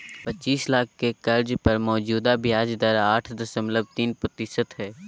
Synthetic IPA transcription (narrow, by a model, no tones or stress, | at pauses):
pɐtːt͡ʃːiːslaːkʰkekɐɾd͡ʒpɐɾmɔːd͡ʒuːd̪abʱjaːd͡ʒd̪əɾaːʈʰd̪ɐsəmləb̚t̪iːnpɾət̪ɪʃət̪ɦɛː